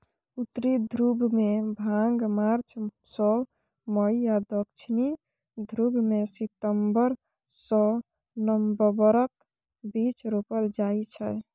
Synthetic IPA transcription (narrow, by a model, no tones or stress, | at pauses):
ut̪ːɾid̪ʱɾubʱmebʱãŋɡmaɾt͡ʃʰsɔ | məiad̪əkt͡ʃʰni | d̪ʱɾubʱmesit̪əmbəɾ | sɔ | nəmbəbəɾək | bit͡ʃɾopəld͡ʒait͡ʃʰɛ